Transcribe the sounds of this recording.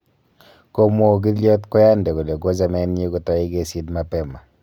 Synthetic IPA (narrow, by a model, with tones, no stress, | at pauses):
ko˦mo˨ɡ̬i˦ljɔ˦t̪kɔ˦ja˦nde˨ko˨de˨ɡo˦za˨mɛ˦ne˦ɡo˦t̪ɔ˦i˦ɡe˦si˦d̪ma˦pɛ˦˨ma˨